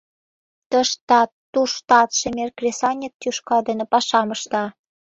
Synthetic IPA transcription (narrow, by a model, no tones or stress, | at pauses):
t̪əʃt̪ɑ | uʃt̪ɑt̪ʃemerkrʲesɑnʲik̚t̪yʃkɑd̪ə̆nə̆pɑʃɑməʃt̪ɑ